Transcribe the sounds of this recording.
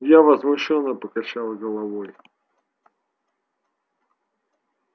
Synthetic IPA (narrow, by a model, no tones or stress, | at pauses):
javəzmʊɕːonːəpəkɐt͡ɕalˠəɡəlˠɐvoj